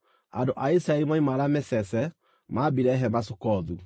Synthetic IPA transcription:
a̰ndoʔaisɾaeɾimaimaɾamɛsɛsɛ | maːbiɾɛɦɛmasokɔðu

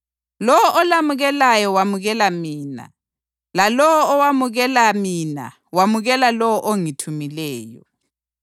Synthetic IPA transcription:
lɔwɔʔɔlamuɣɛlajɔwamuɣɛlamiːna̰ | lalɔwɔːwamuɣɛlamina̰ | wamuɣɛlalɔwɔʔoŋitʰumilɛːjɔ̰

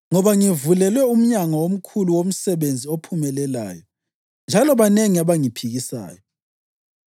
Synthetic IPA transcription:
ŋɔβaŋivulɛlwɛum̩ɲaŋawom̩kʰuluwom̩sɛβend͡zʱiopʰumɛlɛla̰ːjɔ | nd͡ʒʱalɔβaneŋiaβaŋipʰiɣisa̰ːjɔ

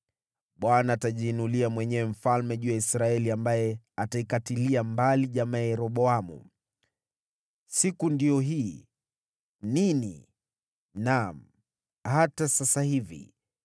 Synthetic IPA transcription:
ɓwanaːtaʄiːnuliamwɛɲɛwɛm̩falmɛʄuːaisɾaɛliambajɛ | ataikatiliambaliʄamajɛɾɔɓɔamṵ | sikundiɔɦiː | ninḭ | nam̩ | hatasasahivḭ

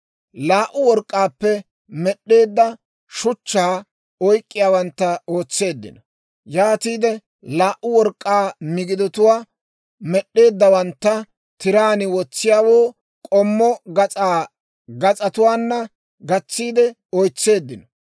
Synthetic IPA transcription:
laːʔʊwɔɾkʼːaːpːɛ | mɛɗːe̞ːd̪ːɐ | ʃʊt͡ʃːaː | ɔjkʼːɪjaːwɐnt̪ːɐoːt͡sːe̞ːd̪ːɪ̰nɔ | jaːt̪iːd̪ɛ | laːʔʊwɔɾkʼːaːmɪɡɪd̪ɔt̪ʊwaː | mɛɗːe̞ːd̪ːɐwɐnt̪ːɐ | t̪ɪɾaːnɪwɔt͡sːɪjaːwoː | kʼɔmːɔɡɐaː | ɡɐt͡sʼɐt̪ʊwaːnːɐ | ɡɐt͡sːiːd̪ɛ | ɔjt͡sːe̞ːd̪ːɪnɔ

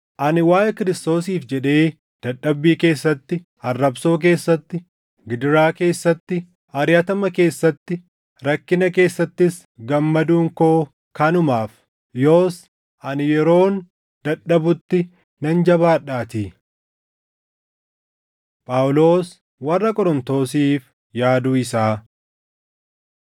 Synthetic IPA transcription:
ʔɐnɪwaːjɛkɪɾɪst̪o̞ːsiːfd͡ʒɛᶑe̞ː | d̪̥ɐᶑːɐbːiːke̞ːsːɐt̪ːɪ | ɐrːɐbso̞ːk̬e̞ːsːɐt̪ːɪ | ɡɪd̪ɪɾaːke̞ːsːɐt̪ːɪ | ɐɾjɐt̪ɐmɐke̞ːsːɐt̪ːɪ | ɾɐkːɪnɐke̞ːsːɐt̪ːɪs | ɡɐmːɐd̪uːŋkoː | kɐnʊmaːf | jo̞ːs | ʔɐnɪjɛɾo̞ːn | d̪ɐᶑɐbʊt̪ːɪ | nɐnd͡ʒɐβaːᶑaːt̪i | pʼɐwʊlo̞ːs | wɐrːɐkʼɔɾɔnt̪o̞ːs̬iːf | jaːd̪uːɪsaː

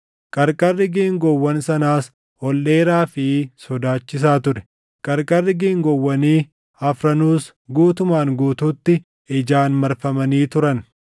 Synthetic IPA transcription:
kʼɐɾkʼɐrːɪɡiːŋɡɔwːɐnsɐnaːs | ɔlːe̞ːɾaːfɪsɔd̪aːt͡ʃːɪs̬aːt̪ʊɾɛ | kʼɐɾkʼɐrːɪɡiːŋɡɔwːɐniː | ɐfɾɐnuːs | ɡuːt̪ʊmaːŋɡuːt̪uːt̪ːɪ | ɪd͡ʒaːnmɐɾfɐmɐniːt̪ʊɾɐn

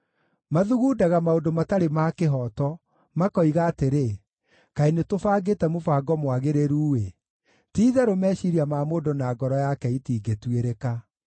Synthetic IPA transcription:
maðuɣuːdaɣamaodomataɾemaːkeɦɔtɔ | makɔiɣaːteɾe | kainetofaːɡetɛmofaːɡɔmwaɣeɾeɾuːwe | tiːðɛɾomɛːʃiɾiamamoːdonaːɡɔɾɔjakɛitiːɡetweɾeka

